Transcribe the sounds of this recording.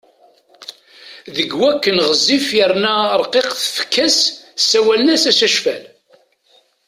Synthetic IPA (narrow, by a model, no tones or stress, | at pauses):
ðəɡwækːənʁəzːifjəɾnæɾˤqeqθəfə̥kːæssːæwælənæsæsæʃfæl